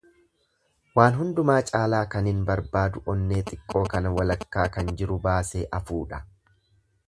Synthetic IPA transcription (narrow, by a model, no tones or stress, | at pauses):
waːnɦʊnd̪ʊmaːt͡ʃʼaːlaːkɐnɪnbɐɾbaːd̪ʊʔɔnːe̞ːt̪ʼɪkʼːo̞ːkɐnɐwɐlɐkːaːkɐnd͡ʒɪɾʊbaːse̞ːʔɐfuːᶑɐ̥